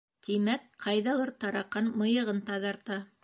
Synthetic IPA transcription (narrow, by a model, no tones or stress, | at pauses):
t̪imæk̚qʰɑjðɑlˠɤɾt̪ɑɾɑqːɑnmɤ̆jɤ̆ʁɤnt̪ɑðɑɾt̪ɑ